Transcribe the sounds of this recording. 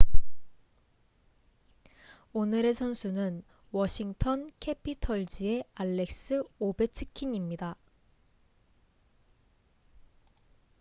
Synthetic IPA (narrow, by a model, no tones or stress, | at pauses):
onɯɾe̞sʰʌnsʰunɯn | wʌɕʰiŋtʰʌnkʰe̞pʰitʰʌɭd͡ʑie̞aɭːe̞k̚s͈ɯobe̞t͡ɕʰɯ̥kʰiɲimɲida